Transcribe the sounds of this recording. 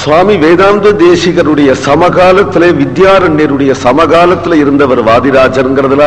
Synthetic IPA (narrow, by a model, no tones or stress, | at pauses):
sʋaːmiʋeːðaːmd̪ɐd̪eːsɪɣɐɾɯɽɐjɐsɐmɐɣaːlɐt̪ːɪleːʋɪd̪jaːɾɐɳːeɾɯɽɐjɐsɐmɐɣaːlɐt̪ːɪlɪɾɯnd̪ɐʋɐɾʋaːðɪɾaːd͡ʒɐɾŋɡɪɾɐðɪlaː